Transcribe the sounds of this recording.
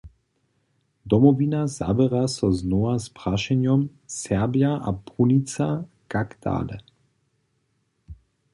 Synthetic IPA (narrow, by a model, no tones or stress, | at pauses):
d̪ɔmɔvinaza̰bɛʁasɔznɔaspʁaʃɛnjɔmsɛʁbjaʔa̰punit͡sa | kakd̪̥a̰ːlɛ̰